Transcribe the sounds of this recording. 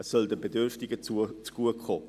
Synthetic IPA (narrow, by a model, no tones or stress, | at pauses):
əsːœldəbedʏɾftɪɡət͡sut͡sɡ̥uəkχoː